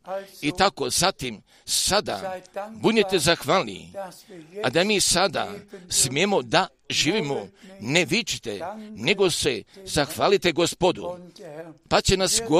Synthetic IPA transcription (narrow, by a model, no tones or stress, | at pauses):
it̪ako̞zat̪im | sad̪a̰bud̪ɲet̪e̞zaxʋaːlnḭ | ad̪amiːsad̪a̰smjemo̞d̪a | ʒiːʋimone̞ʋit͡ʃi̥t̪ene̞ɡo̞sezaxʋaːlit̪e̞ɡospod̪ṵ | pat͡ɕe̞nasɡo